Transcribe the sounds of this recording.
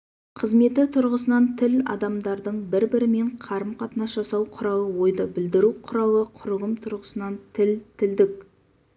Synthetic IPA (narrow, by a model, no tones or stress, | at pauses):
qʰəzme̞t̪ɪt̪ʰʊɾʁəsənɑnt̪ʰɪlɑ̰d̪ɑmd̪ɑɾd̪əɴbɪɾbɪɾɪme̞ɴqʰɑɾəmqʰɑt̪ənɑsʒɑsɑwqʰʊɾɑwəwo̞jd̪əbɪld̪ɪɾuqʰʊɾɑwəqʰʊɾəʁəmt̪ʰʊɾʁəsənɑnt̪ʰɪlt̪ʰɪld̪ɪk̚